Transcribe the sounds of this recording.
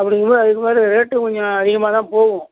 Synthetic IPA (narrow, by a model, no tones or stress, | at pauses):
ɐpːɐɽɪŋɡɐmaːðɐðɯkːɯmaːɾɪɾeːʈːɯkɔɲd͡ʒɔ̃ɐðɪɣɐmaːt̪ãːpoːʋʊ̃